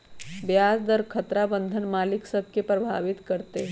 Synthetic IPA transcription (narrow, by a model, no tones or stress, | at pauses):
bjaːd͡zd̪əɾkʰət̪ɾabə̃nd̪ʱənmaːliksəb̚ʱkepɾɐbʱa̰ʋɪt̪kəɾt̪e